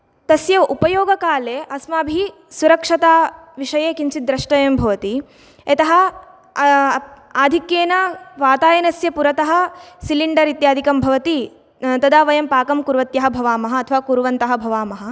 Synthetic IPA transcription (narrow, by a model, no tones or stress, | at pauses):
t̪ɐsjɐupɐjoːɡɐkaːleːʔɐsmaːbʱi | suɾɐkʂɐt̪aːʋiʂɐjeːkiɲt͡ʃid̪ːɾɐʂʈɐjɐmbʱɐʋɐt̪i | et̪ɐɦɐ̆ | aːd̪ʱikjeːnɐʋaːt̪aːjɐnɐsjɐpuɾɐt̪ɐɦɐ̆siliɳɖɐɾit̪jaːd̪ʱikɐmbʱɐʋɐt̪i | t̪ɐd̪aːʋɐjɐmpaːkɐmkuɾʋɐt̪jɐɦɐbʱɐʋaːmɐɦɐːt̪ʰɐʋaːkuɾʋɐnt̪ɐɦɐ̆bʱɐʋaːmɐɦɐ̆